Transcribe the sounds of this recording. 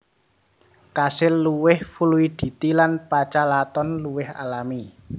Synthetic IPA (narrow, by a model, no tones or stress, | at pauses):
kasɪlːuwɪhfuluid̪̥i̤t̪ilanpat͡ʃalat̪ɔnluwɪha̰lami